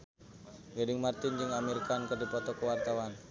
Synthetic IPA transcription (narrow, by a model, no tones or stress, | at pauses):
ɡadɪŋmart̪ɪnd͡ʒɨŋameɾkankərdipɔt̪ɔkəwart̪awan